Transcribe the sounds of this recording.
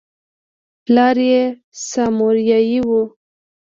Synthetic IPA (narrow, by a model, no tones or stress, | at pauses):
plɑɾje | sɑmoɾjɑjiwu